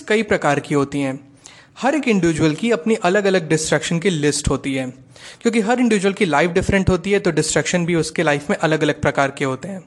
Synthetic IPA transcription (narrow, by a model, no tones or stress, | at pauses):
kɐipɾɐkaːɾkiɦoːt̪iɦɛ̃ː | hɐɾeːkɪ̃ɳɖɪʋɪd͡ʒwəlkiɐpniʔɐləɡɐləɡ̚ɖɪsʈɾəkʃənkilɪsʈɦoːt̪iɦɛː | kjõːk̬iɦɐɾɪ̃ɳɖɪʋɪd͡ʒuwəlkilaːɪfɖɪfɾɛ̃ɳʈɦoːt̪iɦɛt̪oɖɪsʈɾəkʃənbʱiʊskelaːɪfmẽʔɐləɡɐləɡ̚pɾɐkaːɾkeɦoːt̪eɦɛ̃ː